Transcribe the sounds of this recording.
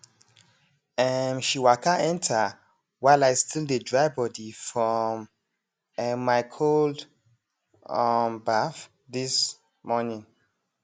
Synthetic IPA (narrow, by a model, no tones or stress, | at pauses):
ɛmʃiwakʰaɛ̃ntʰə | waɪlaɪstʰildədɹaɪbɔdifɹɔ̃m | ɛmaɪkʰold | ambaf | ðis | mɔnĩŋ